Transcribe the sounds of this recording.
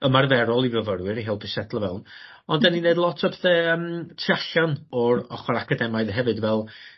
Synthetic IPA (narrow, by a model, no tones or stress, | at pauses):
əmarvɛɾɔlˠivəvəɾwɪɾiɦɪːlˠpʰɪsɛdlˠəvɛ̰lˠn | ɔndɛnineɨdlˠɔtʰɔbðɛəmtʰiaɬanɔɾɔχɔɾakʰadɛmaɨðɦɛvɨdvɛlˠ